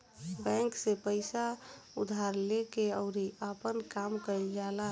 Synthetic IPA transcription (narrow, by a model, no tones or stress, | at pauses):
bɛ̃ŋksepəɪsa | ud̪ʱaɾlekeəʊɾiəpənkamkəld͡ʒala